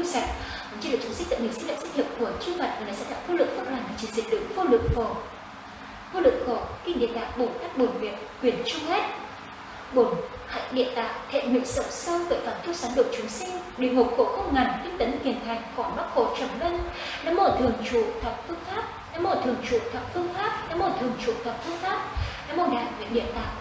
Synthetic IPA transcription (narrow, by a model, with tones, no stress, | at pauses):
sa˧˩˨ | t͡ɕi˧˥l̚ːt͡ɕsï˦˥k̚zə̰˧˨˩ŋɲi˨˩si˧ŋ̟lə̰˧˨sa˦˥k̚hə˨˩˨p̚ku˧˩ət͡ɕi˧va̰˨˧˨jk̚vaː˨˩na˨˩sa̰ː˧˥t̪a̰ː˧˨ŋfo˧lɨ̰˨˧˨ŋ̚fəː˦˥p̚laː˨˩ni˨˩t͡ɕi˨˧˩nzḭ˨˩˨ɗɨ˨˦ŋfo˧lɨ̰˧˨əŋ̚fə˨˧˩ | fo˧lɨ̰˧˨əŋxo˧˩kï˧˩ŋ̟ɗḭ˧˨nt̪a̰ː˧˨ɓo˨˩nt̪aː˦˥k̚ɓo˨˩nvi˨˩ək̚kwi˧˩ənt͡ɕʊ˧ŋ͡mhɛ˦˥t̚ | ɓo˨˩n | ha̰ː˧˨jɗḭ˧˨ənt̪aː˨˧˨ʔt̪ʰḛ˧˨ŋwḭ˧˨əŋsə̰˧˨wŋ͡msə˧wve˨˩t̪aː˨˩nt̪ʰi˧wsaː˨˦nɗo˨˩ək̚t͡ɕʊ˨˦ŋ͡msi˧ŋɗi˨˩əŋho˨˩p̚xo̰˧˩xə˦wŋ͡mŋa˨˩ŋfi˧ŋt̪ə˨˦nhi˨˩ənt̪ʰa˨˩jŋ̟xɔ˧˨˩ɓaː˦˥t̚xo̰˧˩˨t͡ɕə˨˧˩mlə˧n | na˨˧˥mo˧˩t̪ʰɨ˨˩əŋt͡ɕu˧˨t̪ʰə˨˩w̚fɨ˧əŋfaː˦˥p̚na˧˥mo˧˩t̪ʰɨ˨˩əŋt͡ɕṵ˧˨t̪ʰə˨˩k͡p̚fɨ˧əŋfaː˦˥p̚na˧˥mo˧˩t̪ʰɨ˨˩əŋt͡ɕṵ˧˨t̪ʰə˨˩p̚fɨ˧əŋfaː˦˥p̚na˧˦˥mo˧˩ɗaː˨˩wḭ˧˨n̚ɗḭ˧˨ənt̪a̰ː˧˨j